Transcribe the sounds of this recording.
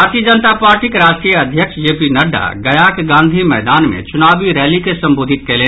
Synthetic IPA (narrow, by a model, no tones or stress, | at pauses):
aːɾt̪iəd͡ʒənt̪apaːɾʈikɾaːʃʈɾijəɐd̪ʱjəkʃd͡ʒeːpinɐɖa̰ɡɐjaːkɡãːnd̪ʱimɛːd̪aːnmḛ̃t͡ʃʊnaːbiɾɛːlikesɐ̃mboːd̪ʱɪt̪̚keleː